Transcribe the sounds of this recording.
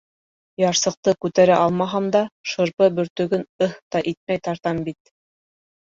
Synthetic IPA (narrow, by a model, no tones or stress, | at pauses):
jɑɾsɤ̆q̚t̪ɤkʉt̪æɾæʔɑlˠmɑɦɑmd̪ɑʃɤ̆ɾpɤbɵ̆ɾt̪ɵ̆ɡɵnɤht̪ɑʔit̪̚mæjt̪ɑɾt̪ɑmbit̪̚